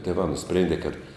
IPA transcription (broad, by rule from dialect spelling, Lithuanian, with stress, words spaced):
tʲeːˈʋɑː nʊˈsʲpʲrʲeːnʲdʲeː kɐt